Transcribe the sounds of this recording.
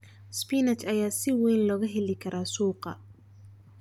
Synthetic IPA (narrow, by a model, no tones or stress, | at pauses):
spinɐt͡ʃɐjaːsɪwɛjnlɔːɣɐɦɛlɪkʰɐɾʔaːsuːqɑ̰